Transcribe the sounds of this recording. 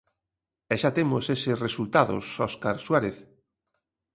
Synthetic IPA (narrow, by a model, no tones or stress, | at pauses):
ɛʃat̪emosesesresult̪aðo̰sɔskaɾswaɾeθ